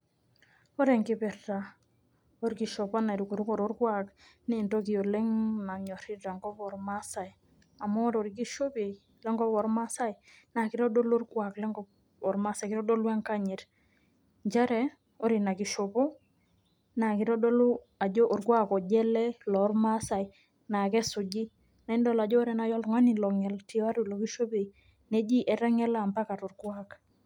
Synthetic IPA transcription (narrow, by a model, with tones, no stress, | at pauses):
o˦ɾɛ˨ŋkɪ˦pɛ˨rta˨ | o˦ɾki˨ʃɔ˨pa˦na˨ɾi˨ku˨ɾko˨ɾo˦ɾkwa˦kne˨nto˦ki˨o˨le˦ŋna˨ɲɔ˨ɾi˦ta˨ŋɡɔ˦pɔ˨ɾma˦sa˨j | a˨mɔ˦ɾo˨ɾi˨k̬i˦ʃo˦pi˨ | lɛ˦ŋɡɔ˦pɔ˨ɾma˦sa˦jna˨kɪ˦ɾɔ˦do˦lo˦rkwa˨klɛ˦ŋɡɔ | ɔ˨ɾma˦sa˨kɪ˦ɾɔ˦do˦lwa˦ŋka˦ɲi˨ɾ | ɲd͡ʒɛ˦ɾɛ˨ | o˦ɾi˨na˨ki˨ʃo˨po˦ | na˨kɪ˨ɾɔ˦do˦lu˦ | a˨d͡ʒo˦ʔo˨ɾkwa˦kɔ˨ɟɛ˦lɛ˦lɔ˨˦rma˦sa˨j | na˨kɛ˦sʊ˨d͡ʒi˦ | na˨i˦ndɔ˦la˨d͡ʒɔ˦ɾɛ˨na˨jɔ˦lŋa˦ni˨lɔ˨ŋɛ˨lti˨a˦ɾu˨lo˨ki˦ʃo˦pe˨ | nɛ˦d͡ʒi˦ʔɛ˨ɾa˦ŋɛ˦la˨mba˦ka˨to˨rɡwa˦k